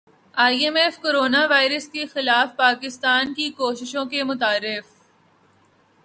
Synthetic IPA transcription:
aːiemeːfkoːɾoːnaʋaːɪɾəskexɪlaːfpaːkɪst̪aːnkikoːʃɪʃõkemʊt̪aːɾːɪf

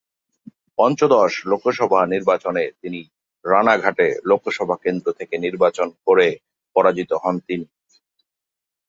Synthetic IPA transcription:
pɔnt͡ɕod̪ɔʃlokʰːoʃɔbʱaniɾbat͡ɕonet̪ini | ɾanaɡʱaʈelokʰːoʃɔbʱakend̪ɾot̪ʰekeniɾbat͡ɕonkoɾe | pɔɾad͡ʑit̪oɦɔnt̪ini

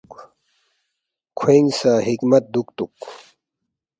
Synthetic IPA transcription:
kʰweŋɡsaːɦikmɐt̪̚d̪uk̚t̪uk

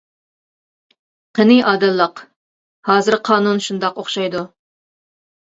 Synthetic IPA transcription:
qʰənɨʔɑːd̪ɨlˠːəq | hɑːzɨɾqʰɑːnunʃund̪ɑqoχʃɑjd̪u

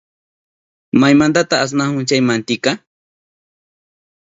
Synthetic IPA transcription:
majmand̪at̪aas̬nahʊnt͡ʃajmant̪ɪka

